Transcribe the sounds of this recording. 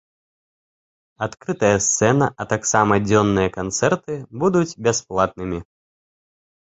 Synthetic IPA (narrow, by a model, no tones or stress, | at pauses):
at̪kɾɨt̪ɐjɐst̪sɛnɐʔɐt̪aksamɐd͡zʲɔnːɨjɐkant̪sɛrt̪ɨbud̪ut͡sʲbʲasplˠat̪̚nɨmʲi